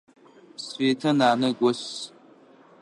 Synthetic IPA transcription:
sfeːtʰɐnaːnɨɡʷɔs

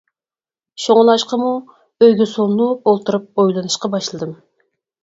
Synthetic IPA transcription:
ʃoŋlˠɑʃqɑmu | øjɡʲysulˠnuolˠt̪uɾɨp̚ojlˠɨnɨʃqɑbɑʃlˠɨd̪ɨm

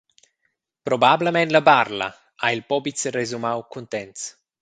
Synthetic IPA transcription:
pɾobabləmɛnt̪ləbarla̰ | ailpɔbitsrezumawkunt̪ɛnt̪s

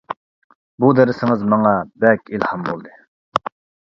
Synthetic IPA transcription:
bud̪ɛɾɪsɪŋɨzmɑŋɑbɛkʲilhɑmbo̰lˠd̪ɨ

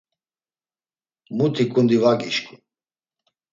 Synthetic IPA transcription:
mut̪ʰikʼund̪ivaɡʼiʃkʰʼu

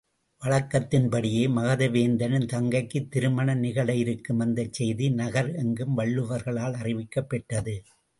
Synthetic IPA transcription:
ʋɐɭɐkːɐt̪ːɪnpɐɽɪjeːmɐɣɐðɐʋeːnd̪ɐnɯnt̪ɐŋɡɐɪkːɯt̪ːɪɾɯmɐɳɐnɪɣɐɭɐɪjɪɾɯkːɯmɐnd̪ɐt͡ʃːɛjðinɐɣɐɾɛŋɡɯmʋɐɭːɯʋɐɾɣɐɭaːɭɐrɪʋɪkːɐpːɛʈːɐðɯ

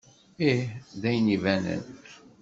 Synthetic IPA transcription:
ihðæjnivænə̰n

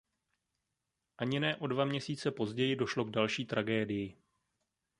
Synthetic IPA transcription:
ʔaɲɪnɛːʔo̞dvamɲɛsiːt͡sɛpo̞zɟɛjɪdo̞ʃlo̞ɡdalʃiːt̪ɾaɡɛːdɪjɪ

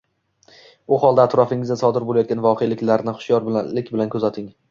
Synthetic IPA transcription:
bʊhɒlˠd̪aːt̪ɾɒfɪŋɪzd̪asɒd̪ɪɾbolˠajɒt̪̚ɡʲanvɒqʰejlɪkʲlaɾnɪχʊ̥ʃjɒɾbɪllɪkʲbɪlankʰɵzat̪ʰɪŋ

